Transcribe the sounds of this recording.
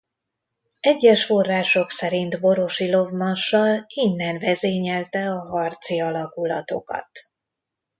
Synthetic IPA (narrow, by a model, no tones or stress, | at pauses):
ɛɟːɛʃfo̞rːaːʃo̞ksɛɾint̪bo̞ɾo̞ʃilo̞vmɒnʃːɒlinːɛnvɛzeːɲɛlt̪ɛɒɦɒrt̪siɒlɒkulɒt̪o̞̰kɒ̰t̪